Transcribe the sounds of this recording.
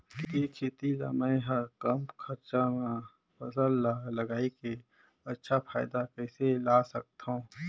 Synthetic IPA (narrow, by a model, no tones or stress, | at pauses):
kekʰeːt̪ila̰mə̃ɦəɾkəmkʰəɾt͡ʃamã | pʰɐsəlːaləɡaːike | ɐtːʃʰapʰa̰ːɪd̪akɛːselaːsək̚t̪ɦõː